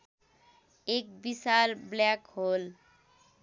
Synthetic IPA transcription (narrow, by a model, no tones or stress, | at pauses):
ek̚bisalblakɦol